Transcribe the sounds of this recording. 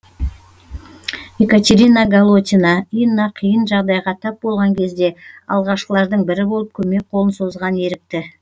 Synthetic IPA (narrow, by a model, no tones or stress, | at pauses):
ekat̪ʲeɾʲinaɡalˠot̪ʲinɑijənːɑqʰijənʒɑʁd̪ɑjʁɑt̪ʰɑp̚bo̞lˠʁɑŋkʲʰe̞zd̪e̞ɑ̰lˠʁɑʃqəlˠɑɾd̪əɴbɪɾɪbo̞lˠəp̚kʲʰɵme̞k̚qʰoənso̞zʁɑne̞ɾɪk̚t̪ɪ